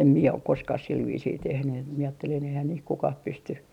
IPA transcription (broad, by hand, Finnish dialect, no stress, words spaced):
em mie ok koskɑh sil ʋiːsiː tehny et mie ɑːtːelin eihæːn niːh kukɑh pysty